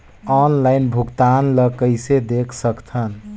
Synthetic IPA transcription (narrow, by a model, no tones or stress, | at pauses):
ɔnlaɪnbʱuɡt̪anləkəjsed̪ekʰsəkt̪ʰən